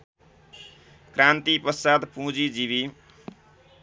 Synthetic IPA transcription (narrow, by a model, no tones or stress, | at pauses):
krant̪ipʌsad̪pũd͡zid͡ziβi